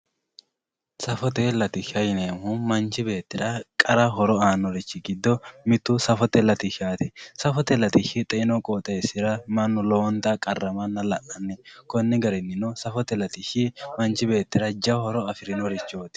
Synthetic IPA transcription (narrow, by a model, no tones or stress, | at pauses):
sɐfɔt̪elɐt̪ɪʃɐjɪneːmumɐnt͡ʃɪbe̞ːt̪ːɪɾɐkʼɐɾɐɦɔɾɔaːnːɔɾɪt͡ʃːɪɡɪd̪ːɔmɪt̪ːʊsɐfɔt̪ɛlɐt̪ɪʃaːt̪ɛsɐfɔt̪ɛlɐt̪ɪʃɪt̪ʼɛʔɪnɔkʼoːt̪ʼːɐjsɪɾɐmɐnːɔlɔwɔnt̪ɐkʼɐrːɐmɐnːɐlɐʔɐnːɛkɔnːɪɡɐɾɛnːɪnɔsɐfɔt̪ɛlɐt̪ɪʃɪmɐnt͡ʃɪbe̞ːt̪ːɪɾɐd͡ʒɐhɔɾɔɐfɪɾɪnɔɾɪt͡ʃːoːt̪ɪ̥